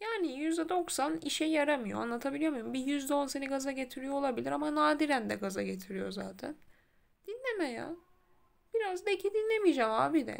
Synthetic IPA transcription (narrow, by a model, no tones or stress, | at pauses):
jaːnijyzd̪ɛd̪o̞ksaniʃɛjaɾamɯjo̞̰a̰nlˠat̪ʰabilʲijo̞mujumbijyzd̪ɛo̞nseniɡazaɟe̞t̪ʰiɾijo̞olˠabilʲiɾamanaːd̪iɾænd̪ɛ̰ɡazaɟe̞t̪ʰiɾijo̞̰zaːt̪ʰæ̰n | d̪̥inlʲemɛja̰ | b̥iɾazd̪ecʰid̪inlʲemid͡ʒamaːbid̪ɛ̰